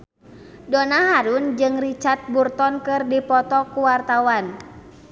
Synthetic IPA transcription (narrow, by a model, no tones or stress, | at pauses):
dɔnaɦaɾund͡ʒɨŋrit͡ʃart̪̚burt̪ɔnkɨrdipɔt̪ɔkuwart̪awan